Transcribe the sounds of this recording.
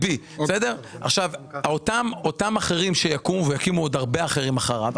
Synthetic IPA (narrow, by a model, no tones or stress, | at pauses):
bi | sede̞ʁaχʃavaotamo̞tamaχe̞ʁimʃejakumuvejakimuod̪aʁbeaχe̞ʁimaχaʁav